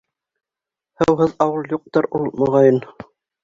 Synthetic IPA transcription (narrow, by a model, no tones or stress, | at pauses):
hɤ̆wɦɤðɑwɤlˠjuq̚t̪ɤɾulˠmŏʁɑjɤn